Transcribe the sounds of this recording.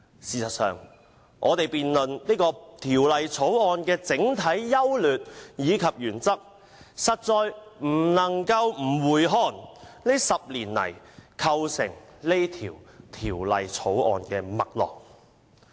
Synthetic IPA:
siː˨sɐ˨˩t̚sœː˨ŋ | ʔɔ̰ː˨˧t̪e˨jpiː˨nlɵ˨nni˥kɔː˧t̪ʰiː˨˩wlɐ˨jt͡sʰo˨˥wɔː˨nkɛː˧t͡sɪ˨˥ŋt̪ʰɐ˨˥jːɐ˥wlyː˨t̚jiː˨˧kʰɐ˨p̚jyː˨˩nt͡sɐ˥k̚ | sɐ˨t̚t͡sɔː˨˧jm̩˨˩nɐ˨˩ŋkɐ˧wm̩˨˩wuː˨˩jɦɔː˨nne˥sɐ˨p̚liː˨˩nlɐ̰˨˩jkʰɐ˧wsɪ̰˨˩ŋle˥jt̪ʰiː˨˩wt̪ʰiː˨˩wlɐ̰˨jt͡sʰo˨˥wʔɔ̰ː˨nkɛː˧mɐ̰˨k̚lɔ̰ː˨k̚

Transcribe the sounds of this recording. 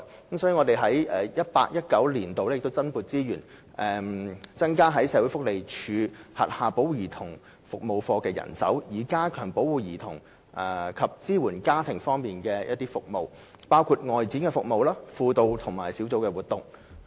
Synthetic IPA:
kə˨˦msɔː˨˥ji˨˧ŋɔː˨˧e˨jɦɐ˨˥jʔɛː˨˩jɐ˥t̚pa̰ː˧k̚jɐ˥t̚kɐ˨˥wliː˨˩nt̪o˨wlɛ˥jkt̪o˥wt͡sɐ˥npuː˨˩t̚t͡siː˥jyː˨˩n | ʔɛ˨t͡sɐ˥nkaː˥ɦɐ˨˥jsɛː˨˧wu˨˥jfʊ˥k̚le˨jt͡ʃʰyː˨˧hɐ̰˨t̚haː˨˧po˨˥wjiː˨˩t̪ʰʊ˨˩ŋ | fʊ˨k̚mo˨˧wfɔː˧kɛː˧jɐ̰˨˩nsɐ̰˨˥wjiː˨˩kaː˥kʰœː˨˩ŋpo˨˥wuː˨˧jiː˨˩t̪ʰʊ̰˨˩ŋ | ʔɛ˨˩kʰɐ˨p̚t͡siː˥wuː˨˩nkaː˥t̪ʰɪ˨˩ŋfɔː˥ŋmiː˨nkɛː˧jɐ˥t̪ːiː˥fʊ˨k̚mo˨˧w | paː˥wkʰu˧t̚ŋɔː˨jt͡siː˨˥nkɛ˧fʊ˨k̚mo˨˧wlaː˥fuː˧t̪o˧wt̪ʰʊ˨˩ŋmaː˨˩jsiː˨˥wt͡so˧wkɛː˧wuː˨˩t̪ʊ˨ŋ

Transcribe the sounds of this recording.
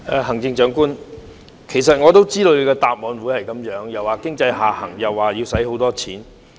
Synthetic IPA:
ɛ˨˧hɐ˨˩ŋt͡sɪ˧ŋt͡ʃœː˨˥ŋkuː˥n | kʰe˨˩js̬ɐ˨t̚ŋɔː˨˧t̪o˥wt͡siː˥t̪o˧˨˧kɛː˧t̪aː˨˧p̚mɔː˨˧nwuː˨˥jhɐ˨jkɐ˨˥mjœː˨˥ŋjɐ˨˩waː˨˩kɪ˥ŋt͡sɐ˧jhaː˨hɐ̰˨˩ŋjɐ˨˩wːaː˨jiː˧wsɐ˨˥jɦo˨˥wt̪ɔː˥t͡sʰiː˨˥n

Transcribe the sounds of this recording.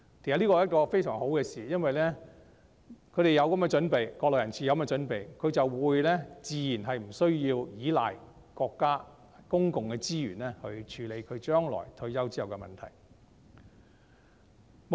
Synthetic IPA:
i˨˩a˨liː˥kɔ˧˨˦jɐ˥t̚kɔː˧fe˥jsœ̰ː˨˩ŋho˨˥wkɛː˧siː˨jɐ˥nwɐ˨jlɛː˥ | kʰɵ˨˧ɥɾe˨jɐ˨˧wkɐ˨˥mkɛ˧t͡ʃɵ˨˥npe˨jkɔː˧lɔː˨˩jɐ˨˩nt͡sʰsʰiː˨jwkɐ˨˦mː˥ɛ˧t͡ʃɵ˨˥npe˨jkʰɵ˨˧ɥt͡sɐ˨wwuː˨˧jlɛː˥t͡siː˨jiː˨˩nɦɐ˨jm̩˨˩sɵ˥ɥjiː˧wjiː˨˥la̰ː˨j | kɔː˧kːaː˥ | kʊ˥ŋkʊ˨ŋkɛː˧t͡siː˥jy̰ː˨˩nlɛː˥hɵ˧ɥt͡ʃʰyː˨˧le˨˧jkʰɵ˨˧ɥt͡ʃœː˥ŋlɔ̰ː˨˩jt̪ʰɵ˧ɥjɐ˥wt͡siː˥jɐ˨wkɛ˧mɐ˨nt̪ʰɐ̰˨˩j | m

